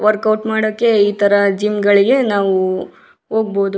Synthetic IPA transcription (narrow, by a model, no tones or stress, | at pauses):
ʋɐɾkɐwʈmaːɽoːkːe̞iːt̪ʰɐɾɐd͡ʒiːmɡɐɭiɡe̞naːʋu | ɦoːɡ̚boːd̪u